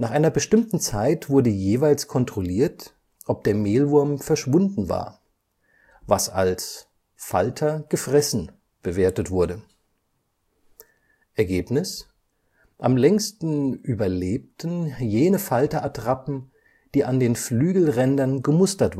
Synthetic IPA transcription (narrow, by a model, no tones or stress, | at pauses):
naːχʔaɪnɐbəʃtɪmtn̩t͡saɪtv̥ʊɐdəjeːvaɪlskʰɔntʁ̥oliːɐt | ʔɔp̚d̥eːɐmeːlvʊɐmfɛɐʃv̥ʊndn̩va̰ːɐ | vasa̰ls | fa̰ltʰɐɡ̥əfʁ̥ɛsn̩ | b̥əveːɐtətv̥ʊɐdə | ʔɛɐɡeːpnɪs | ʔamlɛŋstn̩ʔyːbɐleːp̚tʰn̩jeːnəfaltɐʔatʁ̥apm̩ | d̥iːʔandeːnflyːɡl̩ʁɛndɐnɡəmʊstɐtv